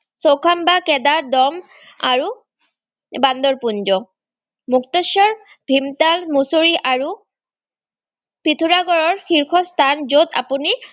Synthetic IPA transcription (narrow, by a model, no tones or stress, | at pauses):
sowkʰambakɛdaɹdɔm | a̰ɹu | band̪ɔɹpund͡ʒɔ | muktɔsːɔɹ | bʱimtalmusoɹiʔaɹu | pitʰuɹaɡɔɹɔɹxiɹkʰɔst̪ʰanzota̰puni